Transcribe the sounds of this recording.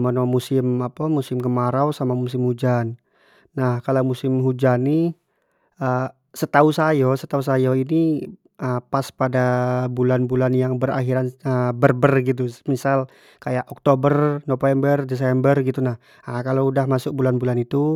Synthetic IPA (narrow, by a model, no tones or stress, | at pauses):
mənomusɪmapamusɪmkəmaɾawsamamus̬ɪmhud͡ʒanː | ahkalawmusɪmɦud͡ʒani | ə | sət̪ausajɔsət̪ausajɔini | əpaspadabulanbulanjaŋbəra̰ɦiɾanəbərbərɡit̪̬umisal | kajaʔɔk̚t̪obərnofɛmbərdɛs̬ɛmbərɡit̪unah | akaloudahmasʊk̚bulanbulanit̪u